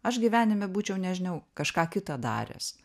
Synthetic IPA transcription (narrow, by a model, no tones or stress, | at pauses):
ɐʃɡʲiʋʲæːnʲɪmʲɛbuːt͡ʃʲɛʊnʲɛʒʲɪnɐʊkɐʃkɑːkʲɪt̪ɑd̪ɑ̰ːɾʲɛ̰ːs